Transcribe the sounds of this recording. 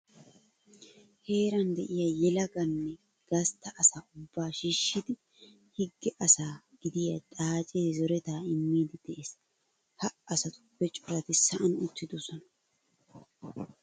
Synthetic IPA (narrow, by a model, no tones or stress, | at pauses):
he̞ːɾɐnd̪ɛʔɪjajɛlɐɡɐnːɛ | ɡ̥ɐst̪ːɐʔɐsaːʊbːaːʃiːʃːɪd̪ɪ | hɪɡːɛʔɐsaː | ɡ̥ɪd̪ɪjɐt̪ʼaːt͡ʃʼeːzɔɾɛt̪aːɪmːiːd̪ɪd̪̥ɛʔeːs | hɐɐsɐt̪ʊ̥b̥ɛt͡ʃʼʊɾɐt̪ɪsɐʔɐnʊt̪ːɪd̪ɔsɔnɐ